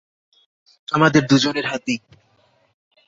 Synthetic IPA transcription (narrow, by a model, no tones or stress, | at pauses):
amad̪eɾd̪ud͡ʑoneɾɦat̪i